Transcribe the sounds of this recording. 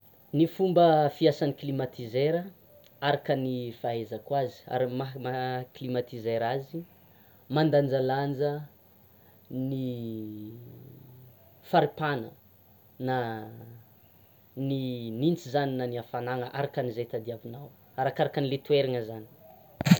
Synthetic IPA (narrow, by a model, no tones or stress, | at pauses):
nifumbəfiasaniklimat̪izeɾə | aɾakənifaezəkwazi̥a̰ɾimamaklimat̪izeɾazi | mand̪and͡ʒaland͡ʒə | ni | faɾipanə̰ | na | ninint͡sizaninaniafanaŋəʔaɾakənizet̪ad̪iavinaw | aɾakaɾakənilet̪ueɾaŋəzani̥